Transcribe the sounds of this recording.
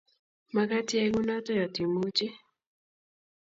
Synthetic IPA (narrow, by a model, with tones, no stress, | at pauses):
ma˦ka˦tjɛ˦ɡu˦na˦tɔ˦jɔ˨ti˨mu˦t͡ʃɪ˦